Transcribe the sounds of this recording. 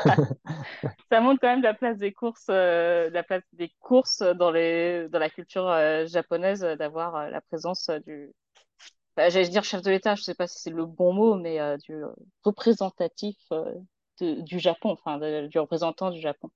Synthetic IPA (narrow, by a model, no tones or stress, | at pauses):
samɔ̃t̪χkɑ̃mɛmd̪əlaplas̬d̪ekuʁsød̪əlaplasd̪ekʰuʁsd̪ɑ̃led̪ɑ̃lakʲylt̪yʁøʒapɔnɛzød̪avwaʁølʔa̰pχezɑ̃sød̪y | ɑ̃fɛ̃ʒalɛd̪iʁʃɛfd̪əlet̪aʒəsɛpasi̥sɛləbɔ̃momɛød̪yø̰ | ʁəpχezɑ̃t̪at̪ifø̰ | d̪̥əd̪yʒapɔ̃ɑ̃fɛ̃d̪əd̪yʁəpχezɑ̃t̪ɑ̃d̪yʒapɔ̃